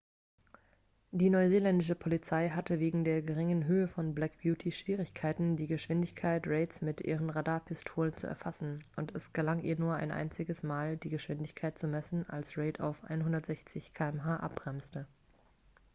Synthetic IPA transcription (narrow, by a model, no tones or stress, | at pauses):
d̥iːnɔʏzeːlɛndɪʃ̬əpʰolit͡saɪɦatəveːɡŋ̩deːɐɡəʁɪŋənɦøːəfɔnblɛkb̥juːtʰiʃv̥iːʁɪçkʰaɪtn̩diːɡəʃv̥ɪndɪçkʰaɪtʁeɪtsmɪtʔḭːʁ̞ənʁadaːɐpʰɪstʰoːlənt͡sṵʔɛ̰ɐfasn̩ʔʊntʰɛsɡ̥əlaŋiːɐnuːɐʔa̰ɪnʔa̰ɪnt͡sɪɡəsmaːldiːɡəʃv̥ɪndɪçkʰaɪt̚t͡sumɛsn̩a̰lsʁeɪtʰa̰ʊfʔa̰ɪnɦʊndɐtz̥ɛçt͡sɪçkʰaːɛmɦaːʔa̰p̚ɡ̥ʁ̥ɛmstə